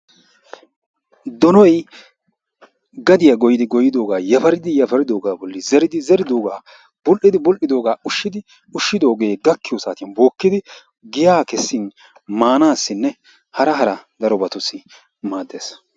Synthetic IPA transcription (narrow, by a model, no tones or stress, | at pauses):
d̪ɔnɔj | ɡɐd̪ɪjaɡɔjɪd̪ɪɡɔjɪd̪o̞ːɡaːjɐfɐɾɪd̪ɪjɐfɐɾɪd̪o̞ːɡaːbɔlːɪzɛɾɪd̪ɪzɛɾɪd̪o̞ːɡaː | bʊlʔɪd̪ɪbʊlʔɪd̪o̞ːɡaːʊʃːɪd̪ɪ | ʊʃːɪd̪o̞ːɡe̞ːɡɐkːɪjɔsaːt̪ɪjɐnbo̞ːkːɪd̪ɪ | ɡɪjaːkɛsːɪn | maːnaːsːɪnːɛ | hɐɾɐɦɐɾɐd̪ɐɾɔbɐt̪ʊsɪ | maːd̪ːe̞ːs